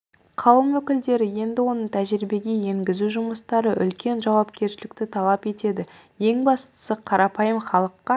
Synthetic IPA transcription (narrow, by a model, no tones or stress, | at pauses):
qʰɑwəmwɵkʲɪld̪e̞ɾɪje̞nd̪ɪwo̞nəɴt̪ʰæʒɾibe̞ɡʲe̞je̞ŋɡʲɪzuʒʊməst̪ɑɾəʔʏ̰lkʲe̞nʒɑwɑpkʲʰe̞ɾʃɪlɪkt̪ɪt̪ʰɑlˠɑpe̞t̪e̞d̪ɪ | je̞ŋbɑst̪ə̥səqʰɑɾɑpɑjəmχɑlˠəqːɑ